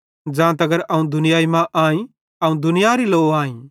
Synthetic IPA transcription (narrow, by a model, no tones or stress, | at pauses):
d͡ʒãːt̪ɐɡəɾɐũd̪ʊnɪjaːimãʔaːĩ | ɐũd̪ʊnɪjaɾiloːãːĩː